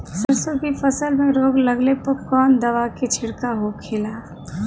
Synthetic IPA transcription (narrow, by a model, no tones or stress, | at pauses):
səɾsəbʱipʰəsəlmeɾoɡləɡlepəkɔnd̪əʋaket͡ʃʰiɽkaɦokʰelapʰ